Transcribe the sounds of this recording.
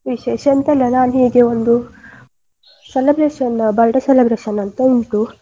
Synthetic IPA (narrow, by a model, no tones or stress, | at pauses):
ʋiʃeːʃɐnt̪ɐlːɐnaːnɦiːɡeond̪u | selɐbɾeːʂɐnbɐlʈɐselɐbɾeːʃɐnɐnt̪ɐiɳʈu